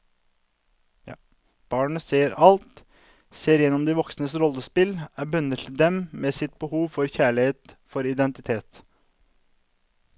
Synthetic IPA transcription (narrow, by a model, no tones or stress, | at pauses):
b̥ɑːɳəseːɾɑlt̪ | seːɾjɛnːɔmd̪ɪʋɔksnəsɾɔlːəspɪlæːbʉnət̪d̪ɛmmeːsɪt̪̚bəhuːʋfɔɾçæːɭɪheːt̪fɔɾɪd̪ɛnt̪ɪt̪ʰeːt̪